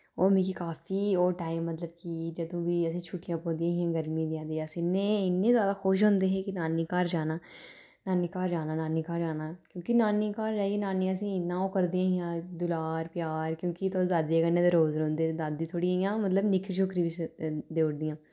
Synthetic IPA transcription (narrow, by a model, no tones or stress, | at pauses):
oːmẽkikaːfioːʈaːɪmːɐt̪ləb̚kid͡ʒɐd̪õːbʱiɛːset͡ʃʰuːʈijãːpoːd̪ijãːɦiãɡəɾmĩd̪ijãːd̪ijaːsnːẽɪnːẽzaːd̪axoːʃ̬ɦõːnd̪eɦɛkinaːnikaːɾd͡ʒaːnaː | naːnɪkaːɾd͡ʒaːnaːnaːnikaːɾd͡ʒaːnaːkjõːkinaːnikaːɾd͡ʒaːienaːneɐs̬ĩnãːokəɾd̪ijãːɦijãːd̪ʊlaːɾpjaːɾkjõːkit̪ʰod̪aːd̪iekənːet̪oɾoːzɾõːnd̪ed̪aːd̪ĩt̪ʰoːɽiɦijãːmɐt̪ləbnɪkʃʰokɾibʱisd̪eːɽd̪ijãː